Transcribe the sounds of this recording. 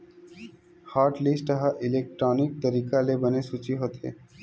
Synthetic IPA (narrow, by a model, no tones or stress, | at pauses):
haːɾʈlisʈəɦaʔɪlek̚ʈɾɔːnɪk̚t̪əɾiːkalebənesut͡ʃiɦot̪ʰḛ